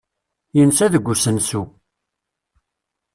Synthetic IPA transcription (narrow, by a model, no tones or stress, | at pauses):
jənsæðəɡʷːusənsu